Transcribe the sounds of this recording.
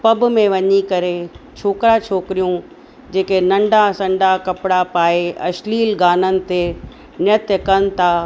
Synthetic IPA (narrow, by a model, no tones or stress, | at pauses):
pɐbmẽʋɐɲikɐɾet͡ɕʰoːkɾat͡ɕʰoːkɪɾijũ | d͡ʑeːkenɐ̃ɳɖasɐ̃ɳɖakɐpɪɽapaːeɐʃliːlɡaːnənɪ̆t̪e | nɪət̪jəkɐnɪ̆t̪ʰaː